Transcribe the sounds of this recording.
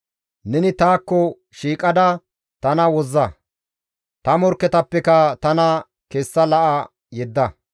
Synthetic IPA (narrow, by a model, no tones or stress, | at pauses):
nɛnɪt̪aːkːɔ | ʃiːkʼɐd̪ɐ | t̪ɐnɐwɔzːɐ | t̪ɐmɔɾkːɛt̪ɐpːɛkɐt̪ɐnɐ | keːsːɐlɐʔɐ | jɛd̪ːɐ